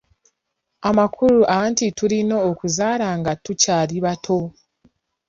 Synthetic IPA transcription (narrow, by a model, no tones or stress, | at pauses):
amakʰuɾuʔaantituɾino̞ːkuzaːɾaŋɡatucaːɾiβatʰo̞